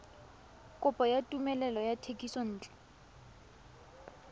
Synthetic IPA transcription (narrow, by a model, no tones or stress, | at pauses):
kʼʊpʼɔjatʼumɛlɛlɔjatʰekʼisɔn̩ːt͡ɬʼɛ̥